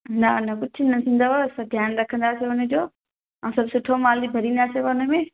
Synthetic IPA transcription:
nɐʊnɐkʊd͡ʑʰɪnɐsʰĩːnd̪aoɐsãd̪ʱjaːnɾɐkʰə̃nd̪aːsejoʊnə̆d͡ʑoː | ɛ̃ːsɐbʱsʊʈʰomaːlibʱɐɾĩːnd̪aːseoʊnə̆mẽ

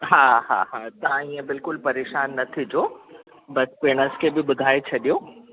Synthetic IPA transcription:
ɦaːɦa̰ɦat̪ɐãĩːə̃bɪlkʊlpɐɾeːʃaːnːɐt̪ʰid͡ʑoː | bɐspeːɽ̃əskʰebɪɓʊd̪ʱaːet͡ɕʰɐɗijo

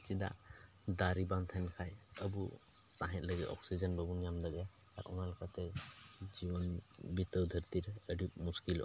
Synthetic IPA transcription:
t͡ʃid̪a̰ | d̪aɾibant̪ʰankʰajəbusaɦɛ̃t̪̚ləɡit̪ɔ̰k̚sid͡ʒənbəbunijamd̪aɡɛ | a̰ɾunalakʰat̪ɛd͡ʒibɔnbit̪əwd̪ʱəɾt̪iɾəɖip̚muskilɔ̰

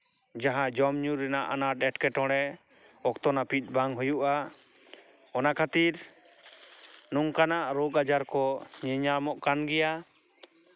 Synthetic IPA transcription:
d͡ʒaɦãd͡ʒɔmɲuɾɛnaʔanaɖɛʈkɛʈɔ̃ɽɛ | ɔkt̪ɔnapit̪̚ˀbaŋɦujuʔa | ɔnaʔkʰat̪iɾ | nuŋkanaʔɾɔɡad͡ʒaɾkɔɲɛɲamɔʔkanɡɛja

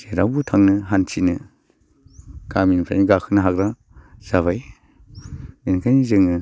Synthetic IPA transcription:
seɾabutʰaŋnɯɦant͡ʃʰinɯ | kaminpʰa̰jniɡakʰɯnɯɦakɾa | z̥aβaj | minkʰajnizɯŋnɯ

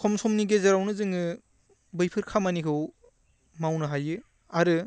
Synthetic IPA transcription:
kʰɔmsɔmniɡezeɾawnɯzɯŋɯ | bɯjpʰɯɾkʰamanikʰɯw | mawnɯɦajɯ | aɾɯ

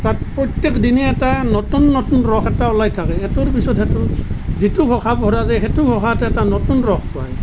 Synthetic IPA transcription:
tatpɹɔtekdinɛɛtanɔtunːɔtunɹɔxʰɛtaɔlajtʰakɛɛtʊɹpisɔthɛtʊzitʊbʱɔxʰabɔɾazɛɦɛtʊbʰʱɔkʰatɛɛtanɔtunɹɔxʰpaj

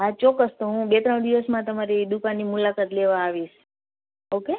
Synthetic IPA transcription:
ɦat͡ʃɔkːəst̪oɦũbet̪ɾəɳ̃d̪iʋəsmãt̪əmaɾed̪ukanːimulakat̪leʋãːʋiʃ | oke

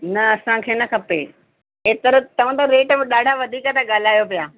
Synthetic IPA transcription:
nɐɐsãkʰeːnɐkʰɐpe | eːt̪ɐɾt̪ɐʋ̤ãt̪ɐɾeːʈbɪɗaːɖʱaʋɐd̪ʱiːkət̪aɠaːl̤aːjopijaː

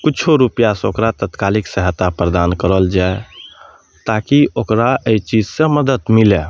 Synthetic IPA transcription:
kut͡ʃʰoɾupijasokɾat̪ət̪kaliksəɦət̪ːapɾəd̪ankəɾəld͡ʒae | t̪akiʔokɾaʔeit͡ʃid͡ʒsẽməd̪ət̪mile

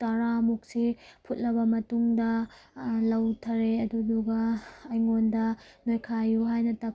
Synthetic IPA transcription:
tɐɾamuk̚sipʰut̚lɐbɐmɐtuŋdɐ | lɐwtʰɐɾeɐduduɡɐːjŋondɐnojkʰajːuɦajnɐtɐ

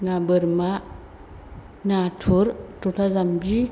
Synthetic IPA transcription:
nabɯɾma | natʰuɾtutʰazamd͡ʒi

